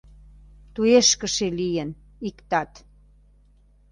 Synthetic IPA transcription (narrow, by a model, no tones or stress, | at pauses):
t̪ueʃkə̆ʃelijən | ikt̪ɑt̪